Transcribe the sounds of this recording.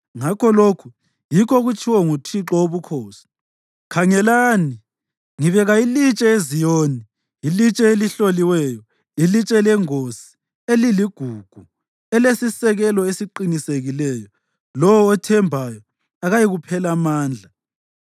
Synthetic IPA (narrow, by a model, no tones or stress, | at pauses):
ŋakʰɔlokʰu | jikʰɔɣut͡ʃʰʼiwɔŋutʰiǁɔoβukʰoːsi̥ | kʰaŋɛlaːni | ŋiβɛɣailit͡ʃʼɛezijoːni | ilit͡ʃʼɛeliɬoliwɛːjɔ | ilit͡ʃʼɛlɛŋosi̥ | eliliɡ̥ʱuːɡ̥ʱu | ɛlesisɛɣɛlɔesiǃiniseɣilɛjɔ | lɔwɔːtʰɛmbʱajɔ | aɣajiɣupʰɛlamaːnd͡ɮʱa